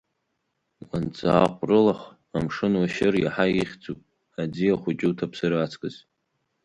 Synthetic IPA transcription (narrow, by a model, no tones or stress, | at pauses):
want͡sʼa̰ːqʷʼrɨlaχ | amʂɨnwaʃɪrja̰ħaiχʲd͡zʼupʼ | ad͡ziaχʷʊt͡ʃʼɪtʰapʰsɨɾat͡sʰkʼɨz